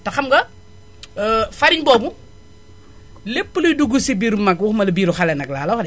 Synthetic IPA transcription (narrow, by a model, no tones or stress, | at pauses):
tɐxɐmɡɐ | fɐɾiɲbɔːbu | lepːəlujduɡusibiːɾumɐkwuxmɐlɐbiːɾuxɐlɛnɐklaːlɐxɐdɛ